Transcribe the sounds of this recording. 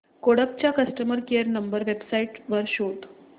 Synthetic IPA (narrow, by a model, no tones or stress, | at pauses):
koɽəp̚t͡ɕjakəsʈəməɾkeəɾnəmbəɾʋebsaiʈʋəɾɕoʈ